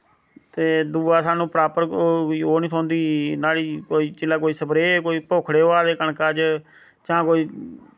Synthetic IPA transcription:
t̪eːd̪uːaːsaːnũːpɾaːpəɾiːoːnĩːsʰɔːnd̪iːnaːliːkoːiːt͡ʃɪlaːk̬oːiːsəbɾeːkoːiːpoːkʰɽeːoːaːd̪eːkəɳkaːd͡ʒ | t͡ʃãːkoːiː

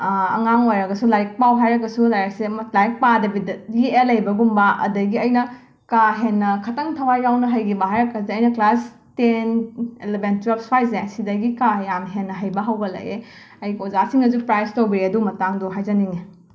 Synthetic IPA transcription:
ɐ̰ŋaŋojɾɐɡɐsulajk̚pawɦajɾɐɡɐsudajɾek̚semɐlajk̚padɐbidɐjielɐjbɐɡumbɐʔɐ̰dɐɡiɐjnɐ | kaɦenːɐkʰɐtɐŋtʰɐwajawnɐɦɐjɡibɐɦajɾɐkːɐsiɐjnɐklas | tenelebentɾɐpspajz̬esidɐɡikajamɦenːɐɦɐjbɐɦɐwɡɐlɐ̰je | ɐjkozasiŋɐzupɾajstobiɾiɐdumɐtaŋduɦajzɐniŋe

